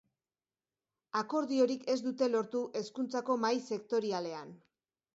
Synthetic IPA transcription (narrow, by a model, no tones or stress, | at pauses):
ako̞ɾðio̞ɾike̞zd̪ut̪e̞lo̞ɾt̪uʔe̞skunt͡sako̞majse̞kt̪o̞ɾiale̞an